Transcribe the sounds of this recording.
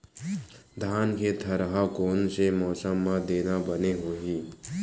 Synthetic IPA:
d̪ʱaːnket̪ʰəɾəɦakoːnsemɔːsəmːãd̪eːnabəneɦoːɦiː

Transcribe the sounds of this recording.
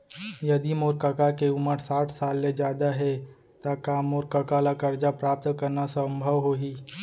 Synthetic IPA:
jɐd̪imoːɾkəkakeʊməɾsaːʈʰsaːlːed͡ʒjaːd̪aɦɛ | t̪akaːmːoːɾkəkalakɐɾd͡ʒapɾaːp̚t̪kɐɾnasə̃mbʱəʋɦoːɦiː

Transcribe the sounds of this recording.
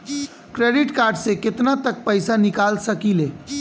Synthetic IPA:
kɾeːɖɪʈkaːɾɖsekɪt̪nat̪ək̚pəɪsanɪkaːlsəkileː

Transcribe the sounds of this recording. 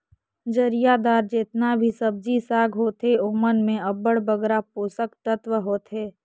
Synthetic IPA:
d͡ʒəɾijad̪aːɾd͡ʒeːt̪nabʱisəb̚d͡ʒisaːɡʱɦoːt̪eoːmənmẽɐbəɽbəɡɾapoːsəkt̪ət̪ʋəɦoːt̪ɦeː

